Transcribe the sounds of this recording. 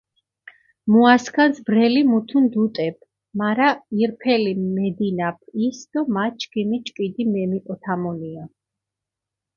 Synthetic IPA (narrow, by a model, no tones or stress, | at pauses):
muaskʰansbɾɛlimut̪ʰund̪ut̪ʼɛp̚ʰ | maɾaiɾpʰɛlimɛd̪inapʰisd̪̥ɔmat͡ʃʰkʼimit͡ʃʼkʼid̪imɛmikʼɔt̪ʰamɔnia